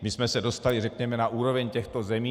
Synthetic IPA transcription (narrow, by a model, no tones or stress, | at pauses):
mɪsmɛsɛdo̞st̪alɪrɛkɲɛmɛnaʔuːɾo̞vɛɲcɛxt̪o̞zɛmiː